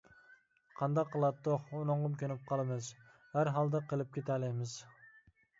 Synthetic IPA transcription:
qʰɑnd̪ɑqʰːɨlˠɑd̪̚d̪oχʊnoɴʁɨmkʲʰønɪp̚qʰɑlˠɪmɪz | haɾɦɑlˠd̪aqʰəlˠɪp̚kʲʰet̪ʰalɪmɪz

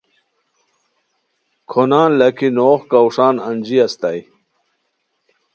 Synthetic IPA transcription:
kʰonaːnlɐkʰinoːxkɐwʂaːnɐnd͡ʑiɐst̪aj

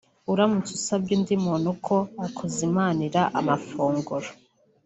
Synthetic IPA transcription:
uɾamut͡susabɡiːndimonukʰoakʰozimaniɾaʔa̰mafuːŋɡuɾo

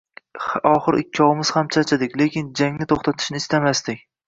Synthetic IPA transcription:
ɒχɨɾʔɪkʲʰːɒwmɪz̥hamt͡ʃʰat͡ʃʰad̪ɪkʲle̞kʲɪnd͡ʒaŋnɪt̪ʰoχt̪ʰat̪ʰɪ̥ʃnɪst̪amast̪ɪkʲ

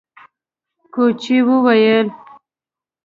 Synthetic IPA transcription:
kot͡ʃiwəwajəl

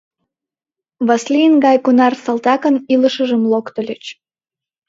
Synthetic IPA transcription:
βɑslʲinɡɑjkunɑrsɑlt̪ɑkəniləʃəʒəmlokt̪ə̆lʲət͡ɕ

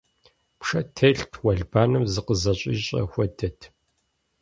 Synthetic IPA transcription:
pʰʂɐtʰeːɬtʰwɐɮbaːnɨmzɨqəzɐɕʼḭːɕʼɐ̰xʷɔdɐtʰ

